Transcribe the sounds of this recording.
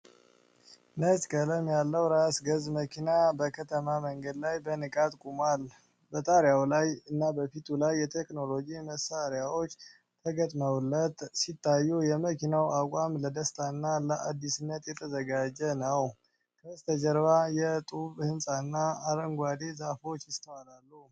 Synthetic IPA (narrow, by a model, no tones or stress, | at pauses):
nəskʼələmjalːəwɾasɡəzməkʰinabəkʰət̪ʰəmaməŋɡəd̪lajbənɨkʼat̪kʼumal | bət̪ʼaɾjawlajɨnːabəfit̪ʰulajːɛt̪ʰekno̞lo̞d͡ʒiməsaɾjawo̞t͡ʃː | t̪ʰəɡət̪ʼməwulːət̪sit̪ʰːajːujɛməkʰinawakʼamləd̪əst̪ʰaɨnːaləʔad̪ːisɨnːət̪jɛt̪ʰəzəɡad͡ʒɛnəw | kʰəst̪ʰəd͡ʒəɾβajɛt̪ʼuβhɨnsʼanːaːɾəŋɡʷad̪e̞zafo̞t͡ʃːjɪst̪ʰəwalalːu